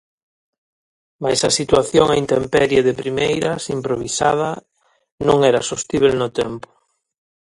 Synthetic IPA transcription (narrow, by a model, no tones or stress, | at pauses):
majsɐsit̪waθjoŋaint̪empɛɾjeðepɾimejɾɐsimpɾoβ̞isað̞ɐ | nõŋɛɾasost̪iβ̞elnʊt̪ɛmpʊ̥